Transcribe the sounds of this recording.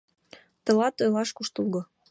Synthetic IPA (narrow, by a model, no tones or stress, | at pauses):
t̪ə̆lɑt̪ojlɑʃkuʃt̪ulɣŏ